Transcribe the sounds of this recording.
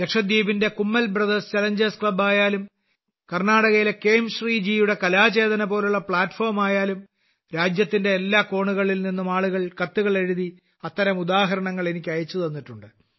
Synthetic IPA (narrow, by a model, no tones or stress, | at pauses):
d̪ekʂɐd̪jiːbinde̞kumːɐlbrɐðɐst͡ɕɐlɐɲd͡ʑɐɾskɭɐbaːjaːlum | kɐrnaːɽɐɣɐjileke̞ːmɕriːd͡ʑijuɽe̞kɐlaːt͡ɕe̞ːd̪ɐnɐpo̞ːluɭːɐpɭaːtːfo̞ːrmaːjaːlum | ɾaːd͡ʑjɐt̪ːinde̞ːlːaːko̞ːɳuɣɐɭilninːumaːɭuɣɐɭkɐt̪ːuɣɐɭe̞ɻuði | ɐt̪ːɐɾɐmud̪aːɦɐɾɐɳɐŋːɐɭe̞nikʲːɐjɐt͡ɕːuðɐnːiʈːuɳɖɨ